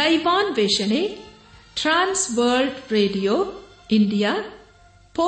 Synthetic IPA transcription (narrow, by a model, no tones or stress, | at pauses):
ajbanbesene | ʈransbəlɖreɖijo | iɳɖija | po